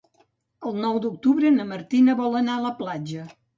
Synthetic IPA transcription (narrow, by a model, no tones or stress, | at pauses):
əlˠnɔwd̪uk̚t̪uβɾənəməɾt̪inəβɔlˠənaələplad͡ʒə